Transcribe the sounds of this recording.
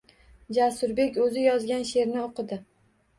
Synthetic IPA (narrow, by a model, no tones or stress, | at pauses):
d͡ʒasʊɾbe̞kʲɵzɪjɒzɡʲanʃe̞ɾnɪoqɨd̪ɪ